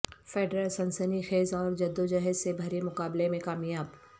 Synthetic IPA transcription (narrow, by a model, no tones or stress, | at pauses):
feːɖɾəlsɐnsənixeːzɔːɾd͡ʒɐd̪ːod͡ʒɐɦəzsebʱɐɾemʊkaːblemẽkaːmijaːb